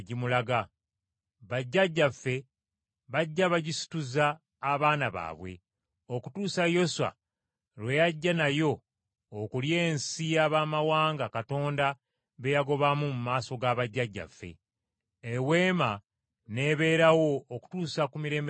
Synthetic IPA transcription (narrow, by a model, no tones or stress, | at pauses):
ɟimulaɡa | βaɟːaɟːafːe̞ | βaɟːaβaɟisi̥tuzaː | βaːnaβa̰ːβwe̞̰ | o̞ku̥tuːsajo̞sa̰ | lwe̞jaɟːanajo̞ː | kulje̞ːnsijaβamawaːŋɡakato̞ːnda | βe̞jaɡo̞βamumumaːso̞ɡaβaɟːaɟːa̰fːe̞̰ | ewe̞ːma | ne̞ːβe̞ːɾawo̞ːku̥tuːsakumiɾe̞ːm